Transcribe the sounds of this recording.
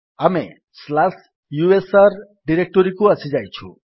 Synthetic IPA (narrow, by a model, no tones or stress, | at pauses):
ʌmḛ | slas | juesʌrɖiɾek̚ʈoɾikoʌsid͡zajt͡sʰṵ